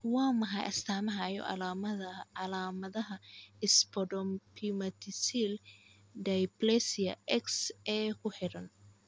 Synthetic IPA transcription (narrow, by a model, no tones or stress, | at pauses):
waːmɐɦɐjʔɐ̰st̪ʰaːmɐɦɐjɔ̰ʔɐɐlaːmɐðɐɦɐɪspʰɔdɔmpʰimɐt̪ʰisil | d̪ɐjplɛsiɐ̰ʔɛksɛːkʰʊħɪɾɐn